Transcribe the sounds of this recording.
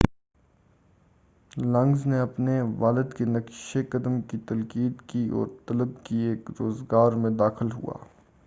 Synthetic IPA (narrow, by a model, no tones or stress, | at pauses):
lɐ̃ŋɡzneɐpneʋaːlɪd̪kenɐkʃekɐd̪əmkit̪ɐlkiːd̪kiɔ̰ːɾt̪ɐləbkieːkɾoːzɡaːɾmẽd̪aːxɪlɦṵa̰ː